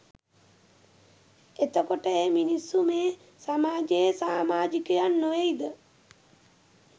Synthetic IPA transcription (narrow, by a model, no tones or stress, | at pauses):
et̪əkoʈəeːminisːumeː | samaːd͡ʒejəsaːmaːd͡ʒikəjanːəʋeid̪ə